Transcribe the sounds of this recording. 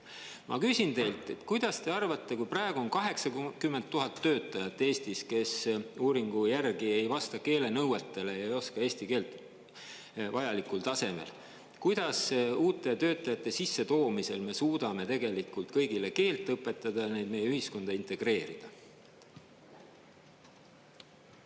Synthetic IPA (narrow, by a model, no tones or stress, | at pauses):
mʔɑ̰kysʲint̪e̞jlt̪ˑe̞t̪kujd̪̥ɑst̪e̞ɑrvɑt̪ˑːe̞kujprɑːeɡ̥uo̞nkɑɦe̞ksɑkymːent̪tːuɦɑt̪ːø̞ːt̪ːˑɑjɑt̪ːˑe̞ːst̪iske̞suːɾiŋɡ̥ujærɡie̞jvɑst̪ɑke̞ːle̞nɤwet̪ːˑe̞le̞jeɑjo̞skɑe̞ːst̪ike̞ːlt̪ | vɑjɑlikˑult̪ɑse̞me̞̰l | kujd̪̥ɑsuːt̪ːˑet̪ø̞ːt̪ˑːɑjɑt̪ːˑe̞sisːe̞t̪o̞ːmise̞lme̞suːd̪ɑme̞t̪e̞ɡe̞likːˑult̪kɤjɡ̥ile̞ke̞ːlt̪ːˑɤpːˑe̞t̪ːˑɑd̪̥ɑjɑne̞jd̪̥̚me̞jeyhisko̞nd̪̥ɑint̪e̞ɡ̥re̞ːɾid̪̥ɑ